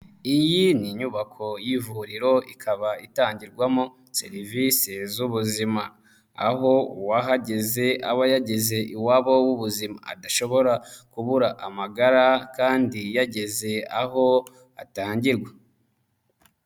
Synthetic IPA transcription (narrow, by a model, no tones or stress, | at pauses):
ijiniɲuβakʰo̞jivuɾiɾo̞ikʰaβaitaːɲɟiɾɡwamo | sḛɾivise̞zuβuzima̰ː | ɦo̞uwaɦaɟe̞ze̞aβojaɟe̞ze̞ʔiwaβowuβuzima̰ːdaʃo̞βo̞ɾakuβuɾaʔamaɡaɾakaːndijaɟe̞ze̞a̰ɦo̞ | a̰taːɲɟiɾɡwa